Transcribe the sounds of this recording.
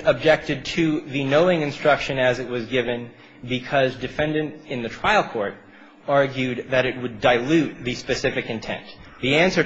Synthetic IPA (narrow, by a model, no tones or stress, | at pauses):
əb̚d͡ʒɛk̚tɨd̚tʰɨðɨnoʊɪ̃ŋɨ̃nstɹ̥ʌkʃɨ̃nɨzɨt̚wʌzɡɪvɨ̃n | bɨkʰʌzdɨfɛ̃ndɨ̃ntɨ̃nðɨtʰɹ̥aɪl̩ˠkʰɔɹɾ | ɑɹɡjʉd̪̚ðɨɾɨt̚wədaɪlʉt̪̚ðɨspɨsɪfɨkɨ̃ntʰɛ̰̃nðiæ̃nsə˞